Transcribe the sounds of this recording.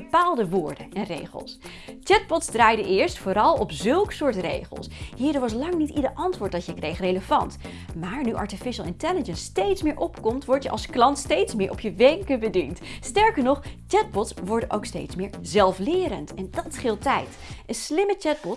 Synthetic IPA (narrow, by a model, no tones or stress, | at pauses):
əpaːlˠdəʋʊːɹdəɛnrḛjχə̰lˠs | t͡ʃɛt̚bɔtsdraːjdəʔɪːɹstfʊːɾɑlˠɔpzɵlˠksʊːɹtrḛjχə̰lˠsɦiːɹdəɹʋɑs̬lɑŋnitidəɹʔɑntʋʊːɹt̚dɑtjəkrejχrejləv̥ɑ̰nt | maːɹnyʔɑ̰ɹtifɪʃəlˠɪntɛləd͡ʒənstejtsmɪːɹʔɔpkɔmtʋɔɹtjəʔɑ̰lˠsklɑntstejtsmɪːɹʔɔpjəʋɛŋkəbədintstɛɹkəɹnɔχt͡ʃɛt̚bɔtsʋɔɹdənʔo̰wkstḛjtsmɪːɹzɛlˠflɪːɾəntɛndɑtχɪlˠtɛjt | ʔənslɪmət͡ʃɛt̚bɔt